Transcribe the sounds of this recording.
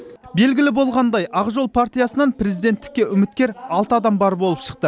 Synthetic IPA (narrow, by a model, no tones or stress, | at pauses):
be̞lɡʲɪlɪbo̞lˠʁɑnd̪ɑjʔɑʁʒo̞lˠpʰaɾt̪ijasənɑnpɾe̞zid̪e̞nt̪ːɪ̥kʲːe̞ʔʏmɪt̪̚kʲe̞ɾɑlˠt̪əɑd̪ɑmbɑɾbo̞lˠəpʃə̥q̚t̪ə